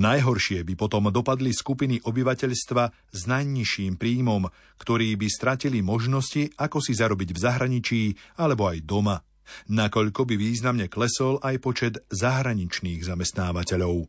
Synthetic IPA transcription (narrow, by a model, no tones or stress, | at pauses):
najɦɔɾʃɪɛbipɔt̪ɔmd̪ɔpad̪liskupiniʔɔbiʋacɛʎst̪ʋa | znajɲiʃiːmpɾiːmɔm | kt̪ɔɾiːbist̪ɾacilimɔʒnɔsciakɔsizaɾɔbiɟvzaɦɾaɲit͡ʃiːalɛbɔajd̪ɔma | nakɔʎkɔbiʋiːznamɲɛklɛsɔlʔajpɔt͡ʃɛd̪zaɦɾaɲit͡ʃniːɣzamɛst̪naːʋacɛʎɔʊ